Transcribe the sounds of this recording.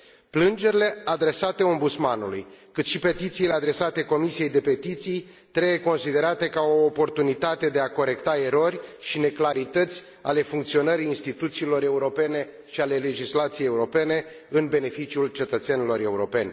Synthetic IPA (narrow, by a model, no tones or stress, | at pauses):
plɨnd͡ʒe̞ɾile̞ad̪ɾe̞sat̪e̞o̞mbut̪smanulujkɨt̪ʃipe̞t̪it̪siːle̞ad̪ɾe̞sat̪e̞ko̞misije̞jd̪e̞pe̞t̪it̪sij | t̪ɾejeko̞nsid̪e̞ɾat̪e̞kaoːpo̞rt̪unit̪at̪e̞d̪e̞ako̞ɾe̞kt̪ae̞ɾo̞rʲʃine̞klaɾit̪ət̪sʲ | a̰le̞fuŋk̚t̪sio̞nəɾiːinst̪it̪ut̪siːlo̞ɾe̞uɾo̞pe̞ne̞ | ʃiale̞le̞d͡ʒislat̪sijejeuɾo̞pe̞ne̞ | ɨnbe̞ne̞fit͡ʃiult͡ʃe̞t̪ət̪senilo̞ɾe̞uɾo̞pe̞nʲ